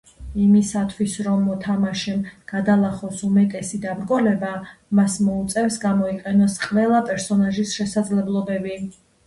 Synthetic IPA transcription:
imisat̪ʰwisɾɔmːɔt̪ʰamaʃɛmɡ̥ad̪alˠaχɔsumɛt̪ʼɛsid̪abɾɡɔlɛbamasmɔut̪sʼɛfsɡamɔiqʼɛnɔsqʼvɛlˠapʼɛɾsɔnaʒisʃɛsad̪zlɛblˠɔbɛbi

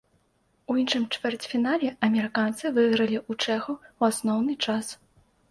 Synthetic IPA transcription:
uinʂɨmt͡ʂfʲɛrt͡sʲfʲinalʲɛɐmʲɛɾɨkant̪sɨvɨɣɾɐlʲiʔut͡ʂɛxuwasnɔwnɨt͡ʂas

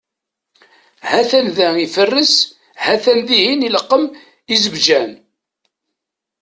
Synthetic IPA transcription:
hæθænðæifərːəs | hæθænðihiniləqːəm | izəbd͡ʒæn

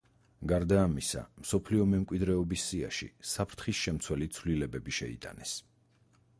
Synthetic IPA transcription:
ɡaɾd̪aːmisa̰msɔpʰliɔmɛmkʼwid̪ɾɛɔbisːia̰ʃḭsapʰɾt̪ʰχisʃɛmt̪sʰwɛlit̪sʰvlilɛbɛbiʃɛ̰ḭt̪ʼanɛs

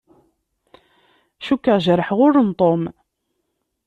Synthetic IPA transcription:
ʃukːəʁʒɾəħʁʊɾənt̪ˤom

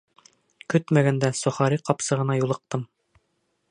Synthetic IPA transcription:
kɵt̪mæɡænd̪æsŏχɑɾiqɒpsɤ̆ʁɤ̆nɑjulˠɤ̆q̚t̪ɤm

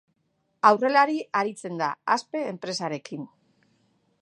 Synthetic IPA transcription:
awre̞laɾiaɾit͡se̞nd̪aaspe̞ːmpɾe̞saɾe̞kin

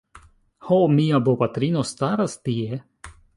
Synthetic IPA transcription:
homiabopat̪ɾinost̪aɾast̪ie

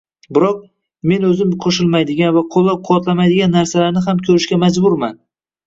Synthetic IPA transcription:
bɪɾɒq̚ | me̞nɵzɪmqʰoʃɪlmajd̪ɪɡʲanvaqʰolˠːap̚qʰʊwɒt̪lamajd̪ɪɡʲanːaɾsalaɾnɪɦamkʲʰɵɾɪʃkʲamad͡ʒbʊɾman

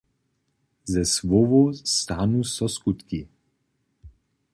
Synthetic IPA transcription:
zɛsvɔvɔst̪anusɔskut̪ki

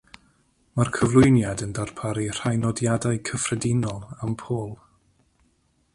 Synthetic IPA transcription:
markʰəvlˠʊjnjadəndarpʰaɾir̥ajnɔdjadajkʰəfrɛdɪnɔlˠampʰoːlˠ

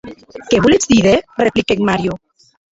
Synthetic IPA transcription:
keβulet͡sd̪iðereplikekmaɾjo

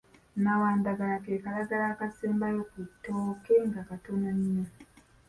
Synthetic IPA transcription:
nawaːndaɡalakekalaɡalaːkaseːmbajokutːoːkeŋɡakatonaɲːo

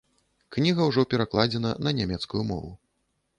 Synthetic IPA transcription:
knʲiɣɐwʐɔpʲɛɾaklˠad͡zʲɛnɐ̰nɐnʲamʲɛt̪skujumɔ̰vu

